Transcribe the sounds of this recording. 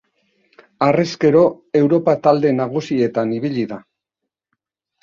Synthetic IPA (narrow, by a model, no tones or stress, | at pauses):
areske̞ɾo̞ | e̞wɾo̞pat̪ald̪e̞naɣ̞usie̞t̪aniβiʎiða